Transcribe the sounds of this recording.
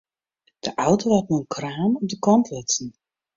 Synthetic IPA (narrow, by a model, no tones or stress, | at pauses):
d̥əʔawtoɦatnuənkraːmɔp̚dəkɔntʰlɪsən